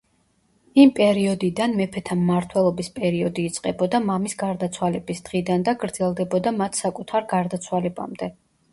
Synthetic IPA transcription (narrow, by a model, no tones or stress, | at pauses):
impʼɛɾiɔd̪id̪anmɛpʰɛt̪ʰamːaɾt̪ʰwɛlˠɔbispʼɛɾiɔd̪iːt̪sʼqʼɛbɔd̪amamisɡaɾd̪at̪sʰwalɛbisd̪̥ʁid̪and̪aɡɾd̪z̥ɛlˠd̪ɛbɔd̪amat̪ʰsakʼut̪ʰaɾɡaɾd̪at̪sʰwalɛba̰md̪ɛ